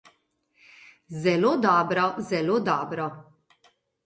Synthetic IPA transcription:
zɛloːd̪ɔːbɾɔzɛloːd̪ɔːbɾɔ

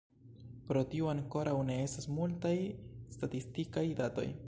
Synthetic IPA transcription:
pɾo̞tiuaŋko̞ɾawne̞e̞stasmultajstatistikajdato̞̰j

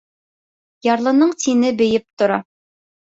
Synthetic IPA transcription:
jɑɾlˠɤ̆nɤɴt̪inɘbɘ̆jɘp̚t̪ŏɾɑ

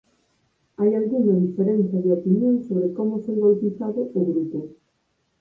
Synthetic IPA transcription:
ajalɣuŋaðifeɾenθjaðeopinjõŋsoβɾekomʊseŋɡolpiθaðʊoɣɾit̪o

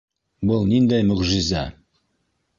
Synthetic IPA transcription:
bolˠnind̪æjmɵʁʒɪzæ

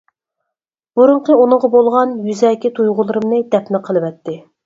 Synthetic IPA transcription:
b̥uɾʊɴqəunɨɴʁɑbolˠʁɑnjyzɛːkʲɪt̪ʰujʁʊlˠɨɾɨmnɨd̪ɛpnɨqʰəlˠɨvɛt̪ʰːɪ

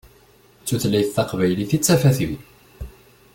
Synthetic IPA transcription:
t͡sːuθlæjθθæqvæjliθit͡sːæfæθḭ

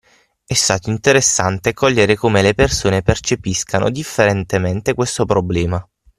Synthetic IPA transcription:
ɛst̪aːt̪oint̪eɾesːant̪ekɔʎːeɾekomelepersoːnepert͡ʃepiskano̰d̪ifːeɾent̪ement̪ekwest̪opɾoblɛːma

